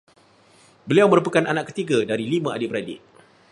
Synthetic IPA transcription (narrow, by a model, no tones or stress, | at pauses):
bəliawməɾupəkananakːə̥t̪iɡadaɾilimãʔa̰dipəɾadɪ̰ʔ